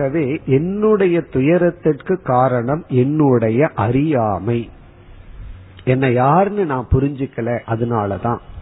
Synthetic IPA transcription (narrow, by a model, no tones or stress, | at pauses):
aɣɐʋeːʔɛnːɯɽɐjɐt̪ʊjɐɾɐt̪ːɯʈkɯkːaːɾɐɳɐmɛnːɯɽɐjɐʔɐɾɪjaːmɐɪ | ɛnːɐjaːɾnɯnãːpʊɾɪɲd͡ʒɯkːɐɭẽːʔɐðɯnaːlɐt̪ã̰ː